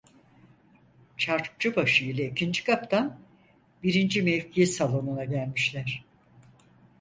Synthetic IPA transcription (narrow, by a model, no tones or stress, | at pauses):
t͡ʃʰaɾ̚t͡ʃɯbaʃɯilʲˠaicʰind͡ʒikʰapt̪ʰan | biɾind͡ʒimɛfcʰijisalˠo̞nunaɟælʲmiʃlʲæɾ̥